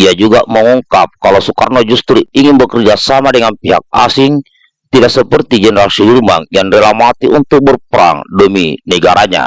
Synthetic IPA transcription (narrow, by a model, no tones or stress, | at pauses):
iad͡ʒuɡaməŋuŋkap̚kalosuka̰rnɔd͡ʒust̪ɾiiŋɪnbəkərd͡ʒasamadəŋanpiɦak̚asɪŋ | t̪idaʔksəpərt̪id͡ʒɛnəɾasidirmaŋjaŋdɛlamat̪iʔunt̪ʊk̚bərpəɾa̰ŋdəmḭnəɡaɾaɲa̰